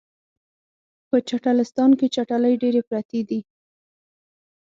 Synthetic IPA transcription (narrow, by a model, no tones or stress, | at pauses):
pət͡ʃaʈalɪst̪ɑnket͡ʃaʈaləjɖeɾepɾat̪ed̪i